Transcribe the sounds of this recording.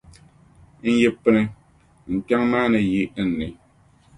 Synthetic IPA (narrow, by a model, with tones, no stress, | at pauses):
n̩˦je˦pɨ˦nɨ˨ | ŋ̩˨k͡pʲa˦ŋmaː˦nɨ˨ji˦n̩˨nɨ˨